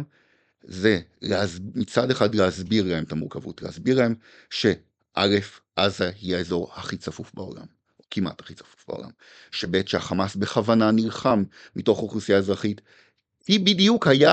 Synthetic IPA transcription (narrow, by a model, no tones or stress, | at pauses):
ze̞leazmit͡sadeχadlehazbiʁlahemetamuʁkavṵtlehazbiʁlahem | ʃe̞ | ʔale̞fʔazahiaezo̞ʁhaχit͡safufbao̰la̰m | kʰimʔa̰thḁχit͡sḁfu̥fba̰o̰la̰m | ʃe̞beetʃehaχamasbeχavananilχamːito̞χʁoχusijaezʁaχit | ibidijukhaja